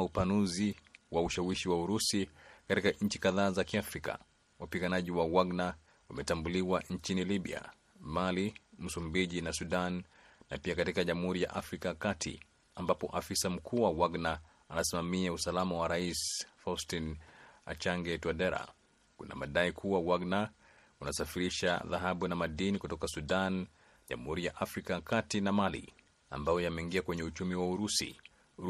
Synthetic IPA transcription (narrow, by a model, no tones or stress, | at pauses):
upanuziwauʃawiʃiwauɾusikatikaɲ̩t͡ʃikaðaːzakiafɾika̰ | wapiɠanaʄiwawaɡna | wamɛtambuliwaɲ̩t͡ʃiniliɓḭa̰ | malim̩sumbiʄinasuɗanː | a̰piakatikaʄamuhuɾija̰ʔafɾikakatʰḭ | ambapɔ̰ʔafisam̩kʰuːwawaɡnaː | nasimamiausalamawaɾaisfaustina̰t͡ʃaŋɡɛtuadɛɾa̰ | kṵna̰maɗaikʰuwawaɡna | unasafiɾiʃa̰ða̰ɦaɓunamaɗinikutɔkasuɗan | ʄa̰muhuɾijaʔafɾikaakatinamalḭ | a̰mbajɔjamɛiŋɡiakwɛɲɛut͡ʃumiwauɾusḭ